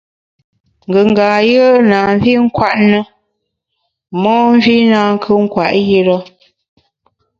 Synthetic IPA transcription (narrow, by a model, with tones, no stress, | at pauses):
ŋ̩˨ɡə˨ŋ˨ɡaː˨jə˦naː˨m˦vi˦ŋ̩˦kwa˦˨ʔnə˦ | mɔ˦n˦vi˦na˨ŋ˦kʰə˦ŋ̩˦kwa˨ʔji˦ɾɔ˦